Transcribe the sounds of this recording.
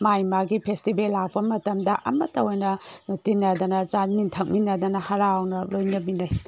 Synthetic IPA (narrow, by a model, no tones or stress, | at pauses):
majmaɡipʰestibelːak̚pɐmɐtɐmdɐʔɐ̰mɐtɐojnɐnotinːɐd̪ɐnɐt͡ʃanmintʰɐk̚minːɐd̪ɐnɐhɐɾawnɐlojnɐbinɐj